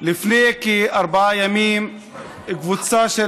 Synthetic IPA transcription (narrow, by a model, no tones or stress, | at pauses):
lɪfnekiʔɑɾˤbaʕajamiːm | ɡvut͡saʃe